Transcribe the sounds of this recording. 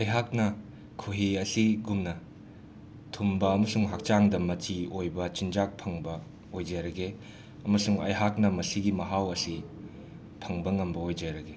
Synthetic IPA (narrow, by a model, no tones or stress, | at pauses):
ɐjɦak̚nɐ | kʰuɦiɐsiɡumnɐ | tʰumbɐɐmɐsuŋɦak̚t͡ʃaŋdɐmɐt͡ʃiojbɐt͡ʃind͡ʒak̚pʰɐŋbɐ | ojd͡ʒajɾɐɡe | ɐmɐsuŋɐ̰jɦak̚nɐmɐsiɡimɐɦawɐsi | pʰɐŋbɐŋɐmbɐojd͡ʒajɾɐɡe